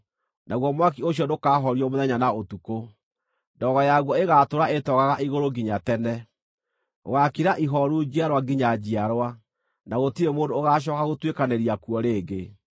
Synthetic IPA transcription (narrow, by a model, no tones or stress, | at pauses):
naɣwɔmwak̬ioɕjɔndokaːɦɔɾiɔmoðɛɲanaotuko | ndɔɣɔjaɣwɔeɣatoɾaetɔɣaɣaʔiɣoɾoɡiɲatɛnɛ | oɣakiɾaʔiɦɔɾud͡ʑiaɾwaɡiɲad͡ʑiaɾwa | naɣotiɾemoːndoːɣaːɕ̬ɔkaɣotwekaneɾiakwɔɾeːɡe